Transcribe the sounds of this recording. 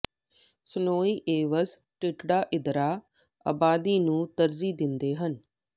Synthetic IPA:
sənoːiːʔeːʋəs | ʈɪʈɖaːʔɪd̪ɾaː | a̰ːbaːd̪iːnũːt̪əɾziːd̪ɪnd̪eːɦən

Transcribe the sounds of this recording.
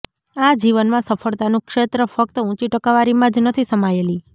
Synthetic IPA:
ad͡ʒiʋənmãsəfʰəɭt̪anũkʃet̪ɾəfək̚t̪əũt͡ʃiʈəkaʋaɾimãd͡ʒnət̪ʰisəmajeli

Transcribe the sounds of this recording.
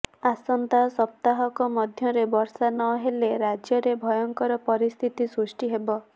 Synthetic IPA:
asɔnt̪asɔp̚t̪aɦɔkɔmɔd̪ʱjɔɾebɔɾsanɔɦeleɾad͡ʒjɔɾebʱɔjɔŋkɔɾɔpɔɾist̪ʰit̪isɾusʈiɦebɔ

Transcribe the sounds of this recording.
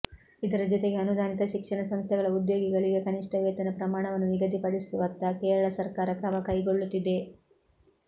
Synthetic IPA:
id̪ɐɾɐd͡ʒɔt̪e̞ɡe̞ɐnud̪aːnit̪ɐʃikʂɐɳɐsɐmst̪ʰɛɡɐɭɐud̪joːɡiɡɐɭiɡe̞kɐniʂʈʰɐʋɛːt̪ɐnɐpɾɐmaːɳɐʋɐnːuniɡɐd̪ipɐɽisuʋɐt̪ːɐkeːɾɐɭɐsɐɾkaːɾɐkɾɐmɐkɐjɡo̞ɭːut̪ːid̪e̞

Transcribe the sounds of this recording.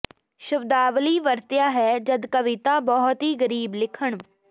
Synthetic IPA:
ʃʊbd̪aːʋliːʋəɾt̪jaːɦɛːd͡ʒəd̪kəʋɪt̪aːbɔːɦt̪ɦiːɡəɾiːblɪkʰəɳ

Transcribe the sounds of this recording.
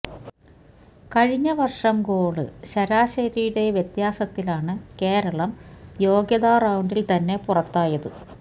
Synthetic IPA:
kɐɻiɲːɐʋɐrʂɐmɡo̞ːɭɨ̰ɕɐɾaːɕɐɾijuɽe̞ʋjɐt̪jaːsɐt̪ːilaːɳɨke̞ːɾɐɭɐmjo̞ːɡjɐðaːrɐwuɳɖilt̪ɐnːe̞purɐt̪ːaːjɐðɨ

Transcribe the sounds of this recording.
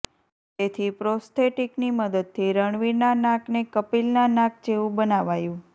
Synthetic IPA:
t̪et̪ʰipɾost̪ʰeʈikniməd̪əd̪̚t̪ʰiɾəɳʋiɾnanãknekəpilnanãk̚d͡ʒeʋũbənaʋajũ

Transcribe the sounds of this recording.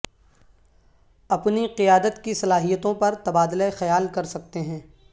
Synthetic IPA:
ɐpniqɪjaːd̪ət̪kisɐlaːɦijət̪õpɐɾt̪ɐbaːd̪lexɐjaːlkɐɾsɐk̚t̪eɦɛ̃ː

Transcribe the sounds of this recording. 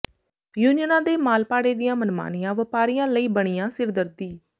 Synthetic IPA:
juːnɪjənãːd̪eːmaːlpaːɽeːd̪ɪjãːmənma̰ːnɪjãːʋəpaːɾijãːləiːbəɽ̃ɪjãːsɪɾd̪əɾd̪iː

